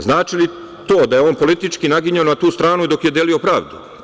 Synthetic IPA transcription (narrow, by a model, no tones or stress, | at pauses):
znaːt͡ʃili | t̪oːd̪aje̞oːnpo̞lit̪it͡ʃkinaɡiɲaonat̪uːst̪ɾaːnuid̪o̞kje̞d̪e̞lio̞pɾaːʋd̪ṵ